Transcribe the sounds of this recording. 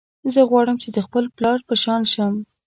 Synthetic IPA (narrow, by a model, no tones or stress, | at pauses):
zəɣwɑɽəmt͡ʃed̪əxpəlplɑɾpəʃɑnʃəm